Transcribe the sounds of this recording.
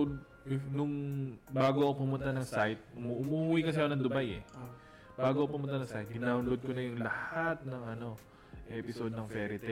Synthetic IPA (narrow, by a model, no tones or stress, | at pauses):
nʊŋbaːɡoʔɐkopʊmʊnt̪anɐŋsajt̪̚mʔʊmuːwikɐs̬ɐjonɐŋd̪ʊbajɛ̰ | baːɡoʔɐopʊmʊnt̪anɐŋsajt̪̚ɡɪnaʊnlod̪̚konɐjʊŋlɐhat̪̚nɐŋʔɐno̞ | ʔɛpɪso̞d̪̚nɐŋfɛːɾɪt̪ɛ